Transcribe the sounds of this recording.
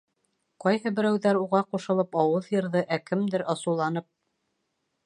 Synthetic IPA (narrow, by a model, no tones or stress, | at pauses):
qɑjhɤbɘ̆ɾæwðæɾuʁɑquʃɤ̆lˠɤpɑwɤðjɤ̆ɾðɤʔækɘmd̪ɘɾʔɑsɤ̆lˠɑn̪ɤp̚